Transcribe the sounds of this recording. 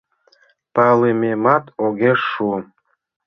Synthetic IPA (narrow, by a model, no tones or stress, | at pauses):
pɑlɨmʲemɑt̪oɡʲeʃu